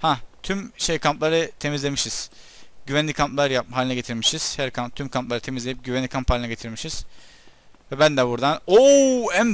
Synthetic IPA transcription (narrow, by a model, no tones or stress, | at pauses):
hat̪ʰymʃejkʰamplˠaɾɯt̪ʰe̞mizlʲe̞miʃiz̥ | ɟ̥yvænʲikʰamplˠaɾjap̚aːlʲinɛɟe̞t̪ʰiɾmiʃiz̥hæɾkʰamt̪ʰymkʰamplˠaɾɯt̪ʰe̞mizlʲe̞jip̚ɟyvænlʲikʰampʰhalʲinɛɟet̪ʰiɾmiʃiz̥ | vɛbænd̪ɛbuɾd̪anoæm